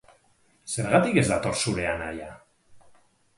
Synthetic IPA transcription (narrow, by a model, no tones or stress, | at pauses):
se̞ɾɣat̪ike̞zd̪at̪o̞ɾsuɾe̞anaja